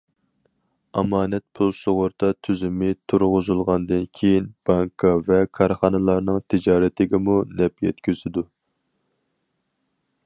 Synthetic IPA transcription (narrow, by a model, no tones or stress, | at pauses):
ɑmɑːnɛt̪̚pʰulˠsoʁʊɾt̪ɑt̪ʰyzɪmɪt̪ʰuɾʁʊzulˠʁɑnd̪ɨnkʲʰejinb̥ɑŋkʰɑvɛkʰɑɾχɑnɨlˠɑɾnɨŋt̪ʰɪd͡ʒɑːɾɛt̪ʰɪɡʲɛmunɛpjɛt̪kʲʰøzɪd̪u